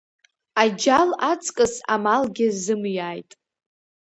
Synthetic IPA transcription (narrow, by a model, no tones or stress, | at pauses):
ad͡ʒalat͡sʰʼkʼɨsa̰malɡʲɪzɨmjaːjtʼ